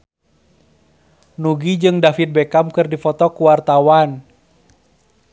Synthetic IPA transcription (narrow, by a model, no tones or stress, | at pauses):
nuɡid͡ʒɨŋdafit̪̚bɛkamkɨrdifɔt̪ɔkuwart̪awan